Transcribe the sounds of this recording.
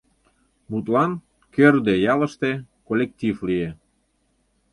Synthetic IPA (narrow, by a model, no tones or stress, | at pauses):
but̪lɑn | kørd̪ejɑlə̆ʃt̪ekolʲek̚t̪ʲiflie